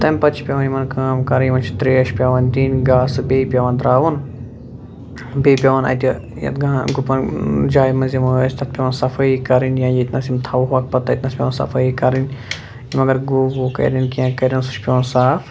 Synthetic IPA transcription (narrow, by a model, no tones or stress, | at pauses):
t̪ɐmʲpɐt͡ʃʰi̥pʲɐʋɐnjimɐnkaːmkɐɾjimɐnt͡ʃʰi̥t̪ɾiːɐʃpʲaːʋɐnʲd̪iːnɡaːsɨbeːpʲjaʋɐnd̪ɾaːʋɐn | beːpʲjaʋɐnɐ̰t̪ʲi | jɐ̰t̪ɡãɡupɐnd͡ʒaːjmɐnzimɐsʲt̪ʰɐt̪̚pʲɐʋɐnsɐfʰɐikɐɾinjãːjit̪nɐsimt̪ʰɐːʋuɦaːk̚pɐt̪ːɐit̪nɐːspʲɐʋɐnsɐ̰fʰɐikɐɾinʲ | jimɐɡɐɾɡuːwokɐ̰ɾʲɐnkiãːkɐɾʲɐnsu̥t͡ʃʰpʲɐʋɐnsaːf